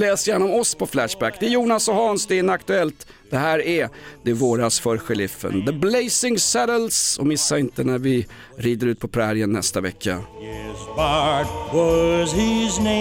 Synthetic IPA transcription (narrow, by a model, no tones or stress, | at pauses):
lɛːsəjæɳaɔmɔspʰɔflæʂbækːd̪ɛæjuːnasɔhɑːnsd̪ɛɪnakt̪ɵɛlt̪ | d̪̥ɛhæːɾɛd̪̥ɛæɾvoːɾasfœɾɧɛlɪfːə̰nd̪əblɛjsɪŋsɛɾəlsɔ̰mɪsːaɪnt̪ənæɾvɪ | ɾiːd̪əɾʉt̪̚pʰɔpʰɾæːɾɪənːɛ̰st̪avɛ̰kʰːa̰ɪzbɑtwɔzɪzne